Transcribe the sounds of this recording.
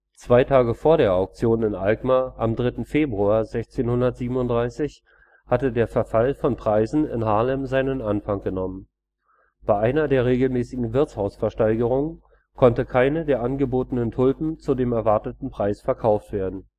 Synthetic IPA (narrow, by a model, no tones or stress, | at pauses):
t͡sv̥aɪtʰaːɡəfoːɐɾeːɐaʊk̚t͡sjoːnɪnʔalkmaʔamdʁɪtn̩feːbʁuaːɐzɛçt͡seːnhʊndɐtz̥iːbm̩ʊntd̥ʁaɪsɪç | hatədeːɐfɛɐfalfɔnpʁ̥aɪzn̩ɪ̰nhaːlɛmzaɪnənʔanfaŋɡ̥ənɔmən | b̥aɪʔaɪnɐdeːɐʁ̞eːɡl̩mɛːsɪɡŋ̩vɪɐt͡shaʊsfɛɐʃtaɪɡəʁ̞ʊŋən | kʰɔntəkʰaɪnədeːɐʔanɡəboːtənəntʰʊlpm̩t͡sudeːmɛɐvaɐtətn̩pʁ̥aɪsfɛɐkʰaʊftv̥eːɐdn̩